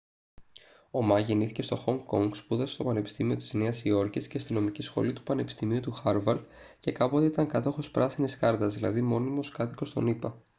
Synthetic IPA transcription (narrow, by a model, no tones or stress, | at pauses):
o̞mɐʝeniθice̞st̪o̞xo̞ŋɡkːo̞ŋɡspuðɐsst̪o̞pɐne̞pi̥st̪imio̞t̪i̥zneɐsio̞ɾciscest̪ino̞micisxo̞̰lit̪u̥pɐne̞pi̥st̪imiut̪uxɐɾvɐɾd̪ | ce̞kɐpot̪iit̪ɐŋkɐt̪o̞xo̞spɾɐsiniskɐɾt̪ɐzðilɐ̰ðimo̞nimo̞skɐθi̥ko̞st̪o̞̰nipɐ